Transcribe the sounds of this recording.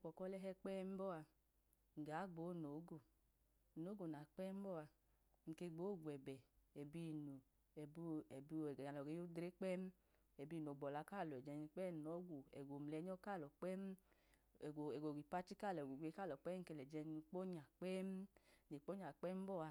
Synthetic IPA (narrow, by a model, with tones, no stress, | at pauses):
kɔ˨kɔ˦lɛ˦ɦɛ˧k͡pɛː˦m̩˦bɔ˦˨a˧ | ŋ̩˨ɡa˨˦ɡ͡boː˨˦no˨˦ɡo˨ | no˨˦ɡo˨n˨a˨k͡pɛ˦m̩˦bɔ˦˨a˧ | ŋ̩˨ke˧ɡ͡boː˨˦˨ɡʷɛ˨bɛ˨ɛ˨bi˧nu˨ | ɛ˨bu˧ɛ˨bi˧˨a˨lɔ˨ɡe˨˧jo˦dɾe˦k͡pɛ˦m˦ | ɛ˨bi˧˨n˨o˨ɡ͡bɔ˨la˧˦ka˦˨lɔ˨ɛ˨d͡ʒɛ˧n˧k͡pɛ˦˨nɔ˨˦ɡʷo˨ɛ˨ɡʷo˨m̩˨lɛ˨˦ɲɔ˦ka˦˨lɔ˨k͡pɛ˦m˦˨ | ɛ˨ɡʷo˨ɡʷi˨pa˦t͡ʃi˦ka˦˨lɡʷo˨ɡʷe˧˦ka˦˨lɔ˨k͡pɛ˦ŋ̩˨ke˧lɛ˨d͡ʒɛ˧ni˧k͡po˦ɲa˨k͡pɛ˦m˦ne˨k͡po˦ɲa˨k͡pɛ˦m̩˦bɔ˦˨a˧